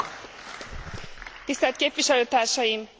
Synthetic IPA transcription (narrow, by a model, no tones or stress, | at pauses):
t̪ist̪ɛlt̪̚keːpʋiʃɛløːt̪aːrʃɒjim